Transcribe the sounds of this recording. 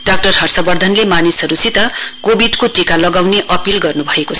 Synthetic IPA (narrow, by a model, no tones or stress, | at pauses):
ɖ̥ak̚ʈʌrɦʌrsʌbʌrd̪ʱʌnlemanisɦʌɾut͡sʰit̪ʌkobiɖkoʈikalʌɡawneʔʌpilɡʌrnubʱʌekoʌ